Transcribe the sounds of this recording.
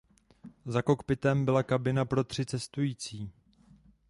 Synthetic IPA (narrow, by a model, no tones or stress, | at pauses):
zako̞kpɪt̪ɛmbɪlakabɪnapɾo̞t̪r̝̥ɪt͡sɛst̪ujiːt͡siː